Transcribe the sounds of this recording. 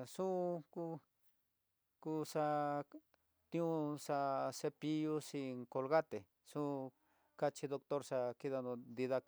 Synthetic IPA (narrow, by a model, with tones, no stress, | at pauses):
sũ˦ku˧ | ku˧sa˧ | t̪ĩ˦˧ũ˧sa˧se˧pi˧ju˦si˧ŋko˧lɣa˦t̪e˨ | sũ˦ | ka˦t͡ʃi˧ðo˧k̚t̪o˦ɾsa˧ki˦ða˧ndõ˧d̪i˧ða˧k